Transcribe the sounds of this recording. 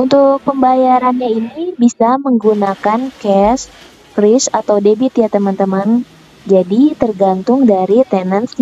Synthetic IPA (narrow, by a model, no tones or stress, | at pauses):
ʔunt̪ʊk̚pəmbajaɾanɲainibisaməŋɡunakankɛs | frɪsat̪awdebit̪ijat̪əmant̪əman | d͡ʒadit̪ərɡant̪ʊŋdaɾit̪ɛnəns